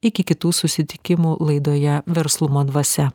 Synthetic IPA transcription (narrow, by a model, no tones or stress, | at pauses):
ɪkʲɪkʲɪt̪uːsʊsʲɪt̪ʲɪkʲɪmuːlˠɐɪd̪oːjɛʋʲɛɾslˠʊmoːd̪ʋɐsʲɛ